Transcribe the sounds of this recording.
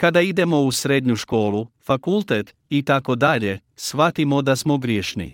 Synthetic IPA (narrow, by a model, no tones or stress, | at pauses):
kad̪aid̪e̞mo̞usɾed̪ɲuʃko̞ːlˠufakulˠt̪et̪ | it̪ako̞d̪aʎe̞ | sʋat̪imo̞d̪asmoɡɾʲjeʃnḭ